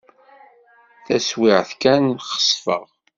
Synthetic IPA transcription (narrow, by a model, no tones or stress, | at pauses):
θæswɪʕθkænχə̥sˤfə̰ʁ